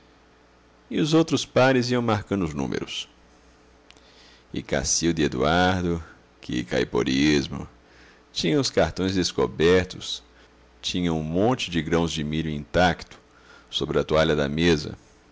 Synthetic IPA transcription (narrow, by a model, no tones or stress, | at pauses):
ɪʊzowt̪ɾʊspaɾɪziɐ̃w̃maɾkɐ̃nd̪ʊznṵ̃mḛɾʊs | ɪ̰ka̰siʊd̪ɪed̪ṵaɾd̪ʊ | kɪka̰jpo̰ɾizmʊ̰ | t͡ʃĩɲɐ̃ʊskaɾt̪õj̃zd̪eskobɛɾt̪ʊs | t͡ʃĩɲɐ̃ũmõnt͡ʃɪd͡ʒɪɡɾɐ̃w̃zd͡ʒɪmiʎʊĩnt̪akt̪ʊ̥ | sobɾɪɐt̪uaʎɐd̪ɐmezɐ̰